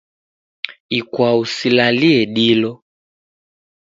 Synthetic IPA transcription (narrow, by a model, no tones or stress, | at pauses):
ikwausilaliɛɗilɔ